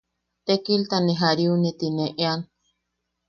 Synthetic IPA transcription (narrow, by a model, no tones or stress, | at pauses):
t̪ekilt̪aniɦaɾiunit̪ineʔean